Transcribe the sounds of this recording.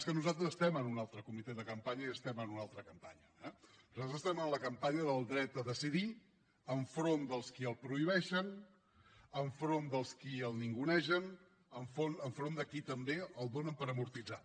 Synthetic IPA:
skənuzalˠt̪ɾəzəst̪ɛmənunalˠt̪ɾəkumit̪ɛðəkəmpaɲəiəst̪ɛmənunalˠt̪ɾəkəmpaɲəɛnnuzat̪ɾəzəst̪ɛmənləkəmpaɲəðəlˠd̪ɾɛt̪̚əðəsiði | əɱfɾond̪əlˠskiəlˠpɾuiβɛʃən | əɱfɾond̪əlˠskiəlˠniŋɡunɛʃən | əɱfonəɱfɾond̪əkit̪əmbeəlˠd̪onəmpəɾəmuɾt̪id͡za

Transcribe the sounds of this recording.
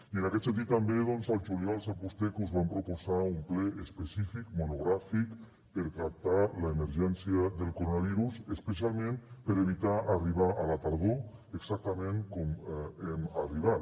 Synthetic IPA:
iənakɛt̪sent̪it̪ːambeðɔnzalˠʒulialˠsapust̪ekuzβampɾopozaumplɛʔespesifikmunuɣɾafik | peɾkap̚t̪alaemeɾʒɛnsjiaðelˠkoɾonaβ̞iɾusespesialˠmẽnpəɾeβit̪aʔariβ̞aʔalat̪aɾð̞oeɡzak̚t̪amẽŋkɔmemariβat̪

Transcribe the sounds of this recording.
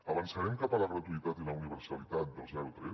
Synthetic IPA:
əβansaɾɛmkapaləɣɾat̪uit̪at̪ilauniβəɾsalit̪at̪̚d̪əlˠzaɾut̪ɾe

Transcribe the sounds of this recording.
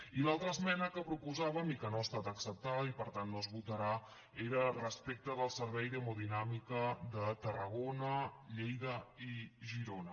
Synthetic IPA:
ilalˠt̪ɾəsmɛnəkəpɾupuzaβəmikənoəst̪at̪əksəp̚t̪aipəɾt̪anːozβut̪əɾa | eɾərəspek̚t̪əðəlˠsəɾβɛjðəmoðinamikəðət̪ərəɣ̞onəʎejðəiʒiɾonə

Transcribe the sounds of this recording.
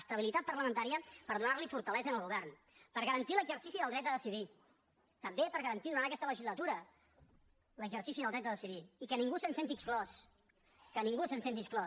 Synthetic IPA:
st̪əβilit̪at̪̚pərləmənt̪aɾiəpəɾðunarlifuɾt̪əlɛzənəlˠɣuβɛrn | pəɾɣəɾənt̪iləɡzərsisiðəlˠd̪ɾɛt̪əðəsiði | t̪əmbepəɾɣəɾənt̪iðuɾantəkɛst̪ələʒizlət̪uɾə | ləɡʒərsisiðəlˠd̪ɾɛt̪əðəsiðiikəniŋɡusənsent̪iksklɔs | kəniŋɡusənsent̪isklɔ

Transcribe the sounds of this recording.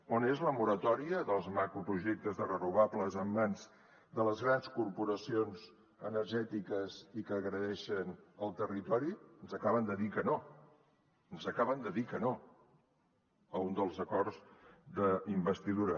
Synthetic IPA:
onezləmuɾət̪ɔɾiəðəlˠzmakɾupɾuʒek̚t̪əzðərənuβ̞apləzəmbanz | d̪ələzɣɾanskurpuɾəsionz | ənəɾʒɛt̪ikəzikəːɣɾəðɛʃənəlˠt̪ərit̪ɔɾiənzəkaβ̞ənd̪əðikəno | ənzəkaβənd̪əðikəno | əund̪əlˠzəkɔrzd̪əimbəst̪iðuɾə

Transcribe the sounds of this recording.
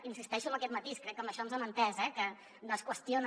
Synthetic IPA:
insist̪ɛʃuəmbəkɛt̪mət̪iskɾɛk̚ːəmbəʃɔnzəmənt̪ɛzɛkə | nəskwəst̪ion

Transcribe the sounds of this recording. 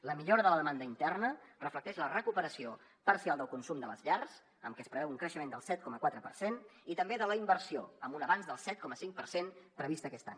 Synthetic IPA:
ləmiʎoɾəðələðəmand̪əint̪ɛrnərəflək̚t̪ɛʃlərəkupəɾəsio | pərsialˠd̪əlˠkunsumd̪ələzʎarz | əmkɛəspɾəβɛwuŋkɾəʃəmend̪əlˠsɛt̪̚kɔməkwat̪ɾəpə̰rsenit̪əmbeðələimbərsio̰əmbunəβanzðəlˠsɛt̪̚kɔməsiŋk̚pə̰rsenpɾəβist̪əːkɛst̪a̰ɲ

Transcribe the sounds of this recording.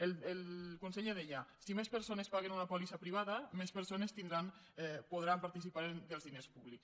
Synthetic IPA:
elelkonseʎeð̞eʎasimespeɾsonespaɣ̞enunapolisapɾiβ̞aðamespeɾsonest̪ind̪ɾan | poð̞ɾampaɾt̪is̬ipaɾend̪elˠzðinespuβliks

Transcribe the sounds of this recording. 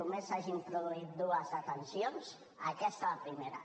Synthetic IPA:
umesaʒimpɾuðuit̪̚d̪uazat̪ansjons | akɛst̪alapɾimeɾa̰

